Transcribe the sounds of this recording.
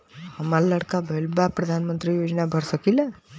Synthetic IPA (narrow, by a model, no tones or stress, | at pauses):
həmalləɽkabʱəlbapɾəd̪ʱanmənt̪ɾijod͡znabʱəɾsəkila